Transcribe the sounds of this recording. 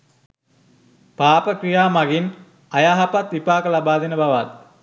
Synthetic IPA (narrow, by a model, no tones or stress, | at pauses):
paːpəkrijaːmaɡin | ajaɦapat̪ʋipaːkəlabaːd̪enəbaʋat̪̚